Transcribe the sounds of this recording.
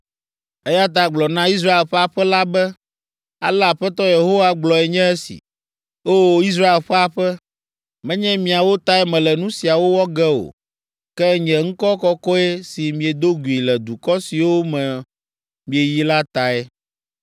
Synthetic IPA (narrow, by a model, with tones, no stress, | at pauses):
ɛ˦ja˦t̪̬a˨ɡ͡blɔ˨nã˦i˦s̬ɾa˦e˨lɸɛ˦a˨ɸɛ˦la˦bɛ˦ | a̰˨lɛ˦a˨ɸɛ˦t̪ɔ˦je˨ɦo˦wa˦ɡ͡blɔ˨ɛ˨ɲɛ̃˦ɛ˦sḭ˨ | o˦˨˦i˦s̬ɾa˦e˨lɸɛ˦a˨ɸɛ˦ | mɛ̃˦ɲɛ̃˦mĩ˨a˨wo˦t̪a˦ɛ˦mɛ̃˨lɛ˨nũ˦si˨a˨wo˦wɔ˦ɡɛ˦o̰˨ | kɛ˦ɲɛ̃˨ŋ̩˦kɔ˦kɔ˦kɔ˦ɛ˦si˨mĩ˨e˨d̪o˦ɡu˨i˨lɛ˨d̪u˨kɔ˦si˨wo˦mɛ̃˨ | mĩ˨e˨ji˦la˦t̪a˨ɛ˦